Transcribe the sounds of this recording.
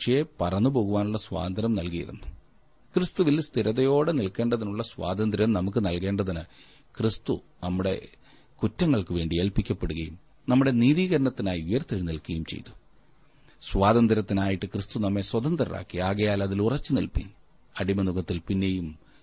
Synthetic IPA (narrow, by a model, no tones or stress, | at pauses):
ʂejepɐrɐnːupo̞ːɣuʋaːnuɭːɐswa̰ːd̪ɐnd̪ɾɐmnɐlkijḭɾṵnːu | krɨst̪uʋilst̪ʰiɾɐðɐjo̞ːɽenilke̞ːɳɖɐðinuɭːɐsʋa̰ːd̪ɐnd̪ɾijɐmnɐmuk̬ːɨnɐlke̞ːɳɖɐðinɨ | krist̪u | nɐmːuɽe̞̰ | kutːɐŋːɐɭkɨʋe̞ːɳɖielpikʲːɐpːe̞ɽuɣɐjum | nɐmːuɽe̞niːðiːɣɐɾɐɳɐt̪ːinaːjiujɐrt̪ːɐɾnilkɨɣɐjumt͡ɕe̞̰jt̪ːu̥ | swaːd̪ɐnd̪ɾɐt̪ːinaːjiʈːɨkrɨst̪unɐmːe̞swɐðɐnd̪ɐɾɐra̰ːkːiaːɣɐjaːlɐðilurɐt͡ɕːɨnilpḭn | ɐɽimɐnuɣɐt̪ːilpinːejum